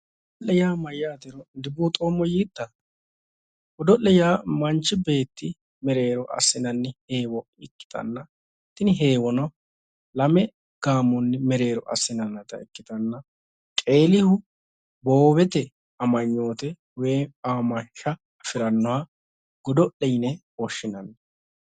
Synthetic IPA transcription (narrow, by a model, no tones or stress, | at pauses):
ɔlːɛjaːmɐjːaːt̪ɛɾɔd̪ɪbuːt̪ʼo̞ːmːɔjiːd̪̥ːɐ | ɡɔd̪ɔlːɛjaːmɐnt͡ʃːɪbe̞ːt̪ːɪ | mɛɾe̞ːɾɔʔɐ̰sːɪnɐnːɪheːwɔ | ɪkːɪ̥t̪ɐ̰nːɐ | t̪ːɪnɪɦe̞ːwɔnɐ | lɐmɛ | ɡ̥aːmɔnːɛmɛɾe̞ːɾɔ̰ʔɐ̰sːɪnɐnːɐt̪ɐ̰ɪkːɪt̪ɐnːɐ | kʼe̞ːlɪhʊ | bo̞ːbɛt̪ɛ | ɐmɐɲːo̞ːt̪ɛ | weːaːmɐnʃɐː | fɪɾɐnːɔwaː | ɡ̥ɔd̪ɔʔɛjnɛ | ɔʃːɪnɐnːɐ